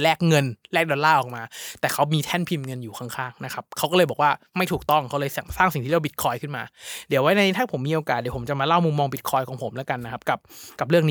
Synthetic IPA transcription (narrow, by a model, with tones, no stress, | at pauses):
lɛː˥˩k̚ŋɤ˧nlɛː˥˩k̚dɔː˧laː˥˩ʔɔː˨˩k̚maː˧t̪ɛː˨˩kʰa˦˥wmiː˧t̪ʰɛ˥˩npʰi˧mŋɤ˧njuː˨˩kʰaː˦˥˩ŋkʰaː˥˩ŋna˦˥kʰa˦˥p̚kʰa˦˥wkɔː˥˩ɤː˧jbɔː˨˩k̚waː˥˩ | ma˥˩jt̪ʰu˨˩k̚t̪ɔ˥˩ŋkʰa˦˥wlɤː˧jsɛ˨˩˦ŋsaː˥˩ŋsi˨˩ŋt̪ʰiː˥˩a˧˩bi˨˩t̪̚kʰɔː˧jkʰɯ˥˩nma̰ː˧dwa˦˥jna˧jt̪ʰaː˥˩pʰo˩˦mːiː˧ʔoː˧kaː˨˩di˨˦pʰo˩˦mt͡ɕa˨˩maː˧la˥˩wmu˧mːɔː˧ŋbi˨˩t̪̚kʰɔː˧jkʰɔː˩˦pʰo˩˦mlɛ˦˥ka˧nːa˦˥kʰa˦˥p̚ka˨˩p̚ka˨˩p̬̚ɾɯ˥˩əŋniː˦